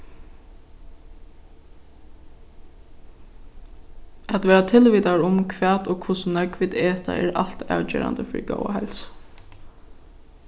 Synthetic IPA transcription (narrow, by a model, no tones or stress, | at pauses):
ɛt̪ʋeːɾat̪ʰɪlʋiːt̪aɹʊmkʰʋæːd̪oːkʰʊsnœkʋiːd̪eːt̪a̰ʔɛːɹal̥t̪ɑ̰ːwd͡ʒɛ̰ːɾa̰nd̪əfɪɾiɡo̰waɦɛls